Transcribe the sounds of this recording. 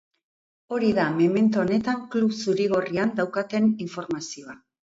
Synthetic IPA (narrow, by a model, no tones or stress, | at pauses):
o̞ɾiðame̞me̞nt̪uone̞t̪aŋkluβsuɾiɣo̞riand̪awkat̪e̞niɱfo̞ɾmasio̞a